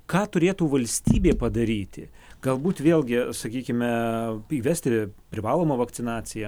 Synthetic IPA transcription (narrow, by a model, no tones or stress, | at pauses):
kɑːt̪ʊɾʲeːt̪uːʋɐlʲsʲt̪ʲiːbʲeːpɐd̪ɐɾʲiːt̪ʲɪ̰ | ɡ̥ɐlˠbuːt̪ʋʲeːlʲˠɡʲɪsɐkʲiːkʲɪmʲɛiːʋʲɛsʲt̪ʲɪpʲɾʲɪʋɑːlˠoːmɐʋɐkt̪ʲɪnɑːt͡ssʲɪjɛ